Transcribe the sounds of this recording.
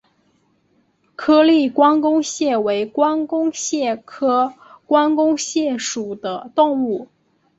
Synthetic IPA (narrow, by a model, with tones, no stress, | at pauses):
kʰɤ˥li˥˩kwɑ˥nkʊ˥ŋɕjɛ˥˩we˧˥ɪkwa˥nkʊ˥ŋɕjɛ˥˩kʰɤ˥ | kwa˥nkʊ˥ŋɕjɛ˥˩ʂu˨˩d̪ə˦t̪ʊ˥˧ŋu˥˩